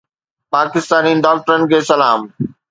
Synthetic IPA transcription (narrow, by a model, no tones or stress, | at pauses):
paːkɪst̪aːniɪ̃nɖaːk̚ʈəɾənɪ̆kʰeːsɐlaːm